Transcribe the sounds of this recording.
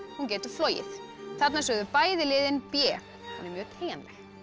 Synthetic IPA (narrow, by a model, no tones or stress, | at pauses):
huncɛːt̪ʏ̥flɔːjɪ̰θ | θat̪nasœːɣðʏpaːjðɪlɪːðɪnpjɛː | hunɛɾmjœːɣt̪ʰeːjanlɛx